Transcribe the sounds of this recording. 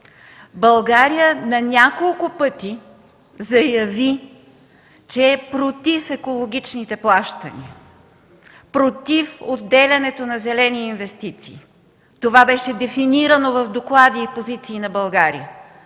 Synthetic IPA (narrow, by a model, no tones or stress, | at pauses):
bɐlˠɡaɾijənɐnʲakolˠkʊpɤt̪i | zɐjɐvi | t͡ʃɛːpɾot̪ifɛkolˠoɡʲit͡ʃnit̪ɛplˠaʃt̪ə̰nḭə | pɾot̪ifod̪ːɛlʲɐnɛt̪onɐzɛlɛniːnvɛst̪it̪sḭː | t̪ovabɛʃɛd̪ɛfiniɾənovɐvd̪oklˠad̪iːpozit̪siːnɐbɐlˠɡaɾḭə